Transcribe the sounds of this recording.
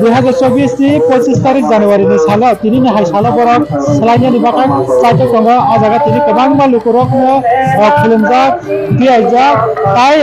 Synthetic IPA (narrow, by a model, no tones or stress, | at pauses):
d̪ujɦad͡zaɾt͡sʌbisnipʌt͡sist̪aɾik̚d͡zanewaɾinisalʌt̪ininiɦajsalʌbʌɾʌk | selanjʌnibakakt͡sajʈʌksʌŋɡʌʔad͡zaɡat̪inikʌbaŋmalukoɾʌknʌkʰilimd͡zak̚ | t̪iajd͡zat̪aj